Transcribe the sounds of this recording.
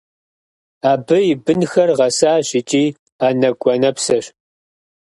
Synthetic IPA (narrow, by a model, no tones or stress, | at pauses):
aːbɨjɪbɨnxɐrʁɐsaːɕɪt͡ʃʼiː | aːnɐɡʷʼɔnɐpsɐɕ